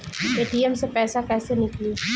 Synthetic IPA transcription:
eːʈiɛmsepɛːsakɛːsenɪkliː

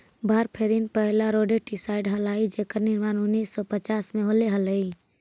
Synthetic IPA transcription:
bʱaːɾpʰeːɾinpəɦlaɾoːɖeʈisaːɪɖɦəlaːid͡ʒeːkəɾnɪɾmaːnʊnːiːsːɔpət͡ʃaːsmẽɦoleɦələi

